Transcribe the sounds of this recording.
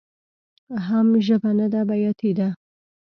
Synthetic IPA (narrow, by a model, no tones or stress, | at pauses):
ɦamʒəbanad̪abajat̪ʰid̪a